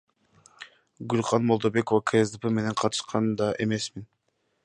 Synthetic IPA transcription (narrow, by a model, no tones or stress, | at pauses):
ɡʉlʲχɑnmo̞lˠd̪o̞be̞ko̞vakʰeezd̪epemene̞ɴqʰɑt̪ʰɯ̥ʃqɑnd̪ɑʔe̞̰me̞smin